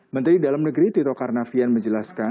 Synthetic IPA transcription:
mənt̪ɾidalamnəɡɾit̪it̪ɔkarnafianməɲd͡ʒəlaska

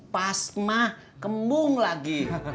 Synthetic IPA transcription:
pasmah | kəmbʊŋlaɡi

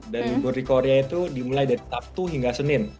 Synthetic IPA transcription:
danlubʊrdikoɾeait̪udimulajdaɾit̪ap̚t̪uɦiŋɡasənɪn

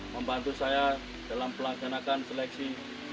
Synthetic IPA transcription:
məmbant̪usaja | d̥alampəlaɡanakanselɛksi

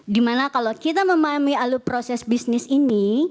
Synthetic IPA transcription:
dimanakalokit̪aməmaamialupɾosɛsbisnɪsini

